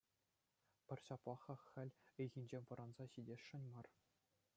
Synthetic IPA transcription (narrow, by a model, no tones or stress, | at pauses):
pʲɘ̆rʲɕɑplˠɑχɑxʲɘ̆lʲɯjɣʲinʲd͡ʑenʲʋɤ̆ɾʔɑnzɑɕidʲeʂɘ̆nʲmɑr